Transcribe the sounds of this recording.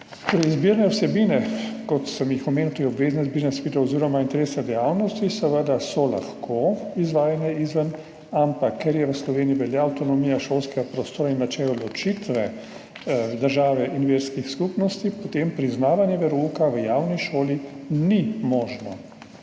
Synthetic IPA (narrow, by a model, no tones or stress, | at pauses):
t̪oɾɛizbiɾnɛwsɛbiːnɛkɔt̪səmjixɔmeːnut̪ojɛɔbʋeːznɛzbiːɾnɛsʋiːd̪ɛɔziːɾɔmaint̪ɛɾeːsnɛd̪ɛjaːwnɔst̪isɛʋəd̪asɔla̰xkʰoizʋaːjanɛizʋən | ampakʰːɛɾjɛʋəslɔʋeːniiʋɛljaːwt̪ɔnɔmijaʃoːlskɛɡapɾɔst̪oːɾainːat͡ʃɛlɔlɔt͡ʃit̪ʋɛ | d̪əɾʒaːʋɛʔinʋeːɾskixskupnɔst̪ipɔt̪empɾiznaːʋanjɛʋɛɾukaʋəjaːwniʃoːlinimɔːʒnɔ